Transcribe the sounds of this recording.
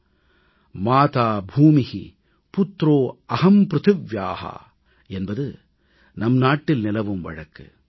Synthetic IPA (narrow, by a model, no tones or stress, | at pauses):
maːt̪aːbʱuːmɪhi | pʊt̪ːɾoːɐɦɐmpɾɯt̪ɯʋjaːha̰ | ɛnbɐðɯ | nɐmnaːʈːɪlnɪlɐʋɯmʋɐ̰ɻɐkːɯ̰